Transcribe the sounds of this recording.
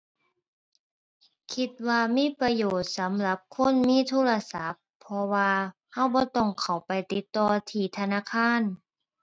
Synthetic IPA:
kʰi˧t̪̚waː˧miː˧˥˨pɾa˧joː˨˩t̪̚sa˨˦mla˧˦p̚kʰo˧˥˨nmiː˧˥˨t̪ʰuː˧˥˨la˧sa˨˦pʰːɔ˧waː˧ | ha˧˥˩wbɔː˧˦t̪ɔ˧˩ŋkʰa˨˩wpa˨jt̪i˨˧˦t̪ːɔː˧t̪ʰiː˧˩t̪ʰa˧naː˧˥˨kʰaː˧˥˨n

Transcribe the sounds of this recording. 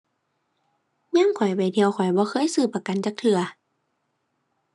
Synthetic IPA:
ɲa˧˥˨ŋkʰɔ˨˩jpa˨˩jt̪ʰi˧əwkʰɔ˨˩jbɔː˧˦xʰɤː˧˥˨jsɯː˧˩pːa˧ka˨nt͡ɕaː˧˦k̚t̪ʰɯ˧ɐ

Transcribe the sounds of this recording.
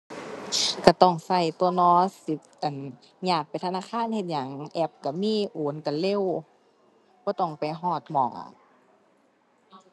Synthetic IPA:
ka˧˩t̪ɔ˧˩ŋsa˧˩jt̪u˧˨nɔː˧˦i˧˦ | ʔa˨˩n | ɲaː˧˩k̚pa˨jt̪ʰa˧naː˧˥˨kʰaː˧˥˨nhe˧t̪̚ɲa˨˦ŋʔɛ˧˩p̚ka˧˩miː˧˥˨ʔoː˨˦nka˨˩le˧˥˨w | b̥ɔː˧˦t̪ɔ˧˩ŋpa˨˩jɦɔː˧˩t̪̚mɔː˧˩ʔa̰˨˧˩

